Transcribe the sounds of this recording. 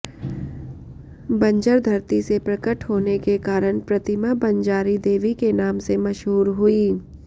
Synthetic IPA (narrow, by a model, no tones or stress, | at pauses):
bɐ̃ɲd͡ʒəɾd̪ʱɐɾt̪isepɾɐkəʈɦoːnekekaːɾəɽ̃pɾɐt̪ɪmabɐ̃ɲd͡ʒaːɾid̪eːʋikenaːmsemɐʃɦuːɾɦʊiː